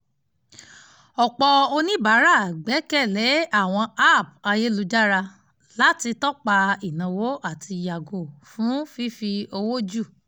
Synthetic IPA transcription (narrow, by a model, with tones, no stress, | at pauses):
ɔ˨k͡pɔ˧o˧nĩ˦ba˨˦ɾa˦˨ɡ͡bɛ˨˦kɛ˦˨lɛ˨˦a˦˨w̃ɔ̃˧a˦˨p̚a˧je˦lu˧˦d͡ʒa˦ɾa˧ | la˨˦ti˧tɔ˦k͡pa˧i˨nã˨wo˨˦ʔa˦˨ti˧˨ja˨ɡo˨fũ˨˦fi˦fi˧o˧wo˦d͡ʒu˦˨